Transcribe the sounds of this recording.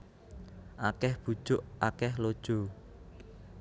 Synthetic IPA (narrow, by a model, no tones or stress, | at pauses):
ʔakɛhb̥ṳd̥ʒ̥ʊʔakɛhlod̥ʒ̥o̤